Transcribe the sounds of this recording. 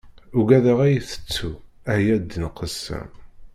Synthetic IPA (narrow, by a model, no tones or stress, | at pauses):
ʊɡæðəʁæjiθə̥t͡sːu | æhjæd̪ːənqːəsːə̰m